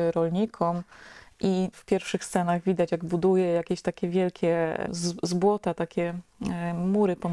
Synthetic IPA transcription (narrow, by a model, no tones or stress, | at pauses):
ɾɔlɲikʰɔmʔifpʲjɛɾfʂɘxst̪sɛnaɣvʲid̪at͡ɕjaɡbud̪ujɛjakʲeɕt̪akʲɛvʲjɛlkʲʰɛ | zbwɔt̪at̪akʲɛ | muɾɘpɔn